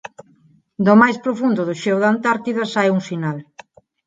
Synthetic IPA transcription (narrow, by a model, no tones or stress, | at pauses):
d̪omajspɾofund̪ʊðoʃɛwðant̪aɾt̪iðɐsajuŋsinal